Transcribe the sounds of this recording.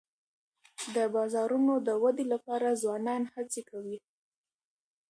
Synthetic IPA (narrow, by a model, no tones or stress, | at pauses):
d̪əbɑzɑɾunod̪əwad̪elapɑɾazwɑnɑnhat͡sekawi